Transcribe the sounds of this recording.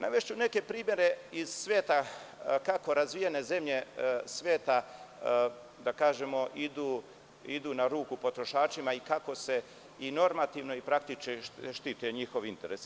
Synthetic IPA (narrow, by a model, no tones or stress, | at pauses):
naʋeʃt͡ɕune̞ke̞pɾiːmje̞ɾe̞iz̥sʋʲjeːt̪akako̞ɾazʋijane̞ze̞mʎe̞sʋʲjeːt̪a | d̪akaːʒe̞mo̞ʔid̪uː | id̪uːnaɾuːkupo̞t̪ɾo̞ʃaːt͡ʃimaikako̞se̞ | ino̞ɾmat̪iːʋno̞ipɾak̚t̪it͡ʃkeʃt̪it̪ujeɲixo̞ʋint̪e̞ɾes